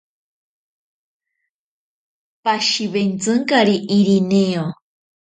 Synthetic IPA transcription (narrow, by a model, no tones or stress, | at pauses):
paʃiβent͡sɨŋkaɾiʔiɾineo